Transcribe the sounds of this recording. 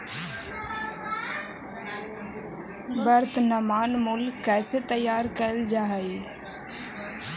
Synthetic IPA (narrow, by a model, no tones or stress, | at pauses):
bəɾt̪namaːnmʊlkɛːset̪əjːaːɾkəld͡ʒaːɦai